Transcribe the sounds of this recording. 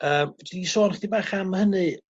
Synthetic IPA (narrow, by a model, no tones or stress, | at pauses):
əːmdisoːnχdibaːχamhənɨ